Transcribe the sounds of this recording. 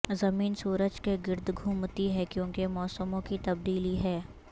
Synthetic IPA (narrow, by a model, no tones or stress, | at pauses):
zɐmiːnsuːɾəd͡ʒkeɡɪɾd̪ɡʱuːmt̪iɦɛkjõːkemɔːsəmõkit̪ɐbd̪iːliɦɛː